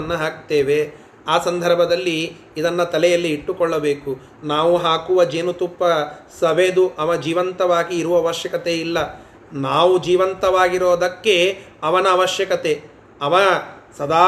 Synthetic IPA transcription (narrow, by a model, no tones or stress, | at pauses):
ɐnːɐɦaːk̚t̪eːʋe̞ | aːsɐnd̪ʱɐɾbʱɐd̪ɐlːiː | d̪ɐnːɐt̪ɐlɛjɐlːiːʈːukɔɭːɐbe̞ːku | naːʋuɦaːkuʋɐd͡ʒeːnut̪upːɐsɐʋeːd̪uʔɐʋɐd͡ʒiːʋɐnt̪ɐʋaːɡiːɾuʋɐːʋɐʃjɐkɐt̪eilːɐ | naːʋud͡ʒiːʋɐnt̪ɐʋaːɡiɾoːd̪ɐkːe̞ɐʋɐnɐːʋɐʃjɐkɐt̪e̞ | ɐʋɐsɐd̪aː